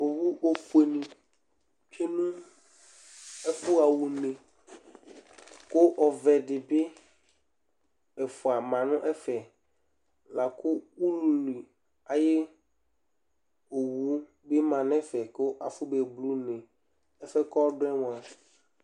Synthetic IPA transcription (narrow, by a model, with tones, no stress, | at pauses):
o˨wu˦o˨fu˨˦e˨nĩ˨ | t͡ʃe˦nũ˦ | ɛ˦fʊ˦a˨wu˨nẽ˨ | kʊ˦ʔɔ˨vɛ˨ɖɪ˨be˦ | ɛ˨fʊ˨a˨mã˨nʊ̃˦ʔɛ˦fɛ˨ | la˨kʊ˦wu˦lu˨li˨ | a˨je˦ | o˨wu˦ | be˦mã˨nɛ̃˦fɛ˨ko˦ʔa˨fʊ˦be˨blu˦nẽ˨ | ɛ˦fɛ˦kɔ˦ɖɛ̃˦mõ˨a˨